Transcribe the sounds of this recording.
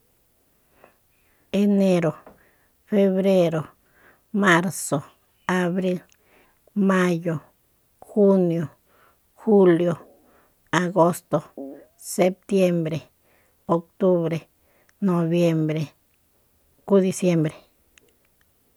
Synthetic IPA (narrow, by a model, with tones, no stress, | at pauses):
e˧ne˧ɾo˨ | fe˧βɾe˦ɾo˨ | ma˦ɾso˨ | a˨˧βɾi˦l | ma˦jo˨ | xu˦njo˨ | xu˦ljo˨ | a˨ɡo˦st̪o˨ | se˦p̚t̪je˦mbɾe˨ | o˧k̚t̪u˦βɾe˨ | no˧βje˦mbɾe˨ | ku˦d̪i˧sje˦mbɾe˨